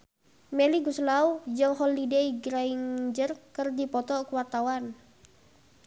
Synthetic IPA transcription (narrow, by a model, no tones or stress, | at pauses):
mɛliɡuslaud͡ʒəŋhɔlideiɡɾaiŋd͡ʒərkərdipɔt̪ɔkəwart̪awan